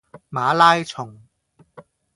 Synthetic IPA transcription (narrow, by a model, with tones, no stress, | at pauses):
maː˨˧˥laː˥jt͡sʰʊ˨˩ŋ